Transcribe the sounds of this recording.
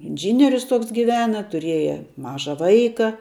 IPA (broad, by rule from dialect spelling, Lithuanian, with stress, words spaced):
ɪnʲˈʒʲiːnʲɪrʲʊs ˈtoːks ɡʲɪˈʋʲæːnɐ tʊˈrʲiɛjɛ ˈmɑːʒɐ ˈʋɐɪkɐ